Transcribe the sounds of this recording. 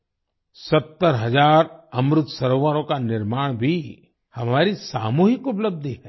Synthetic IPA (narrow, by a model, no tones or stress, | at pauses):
sɐt̪ːəɾɦɐd͡ʒaːɾɐmɾʊt̪sɐɾoːʋaːɾõkanɪɾmaːɽ̃bʱi | hɐmaːɾisaːmuːɦɪkʊpləb̚d̪ʱiɦɛː